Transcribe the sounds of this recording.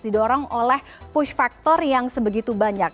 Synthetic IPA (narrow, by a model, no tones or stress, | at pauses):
didɔɾɔŋolɛh | pʊʃfak̚t̪ɔrjaŋsəbəɡit̪ubaɲak̚